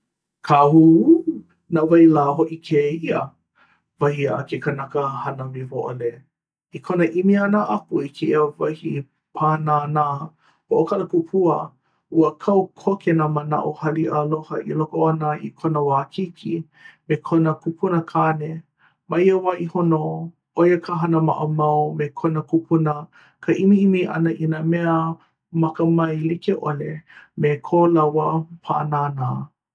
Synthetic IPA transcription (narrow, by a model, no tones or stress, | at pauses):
kʰahu | navajlaːɦoʔikʰeiə | vɐhiakekanɐkəhɐnəmivoʔole | ikʰonəʔimianəʔɐkuikʰeiəvɐhi | pʰanana | hoʔokʰaləkupʰuə | uəkʰawkʰokʰenaməna̰ʔohɐliʔalohɐʔḭlokoanəḭkʰonəwaːkʰikʰi | mekʰonəkupʰunəkʰane | maiəwaʔihono | ʔojəkʰaɦɐnəma̰ʔəmawmekʰonəkupʰunə | kʰəʔimiʔimiʔɐ̰nəʔinamɛə | mɐkəmɐjlikeʔolemekʰolawəpʰa̰ʔə̰naːnaː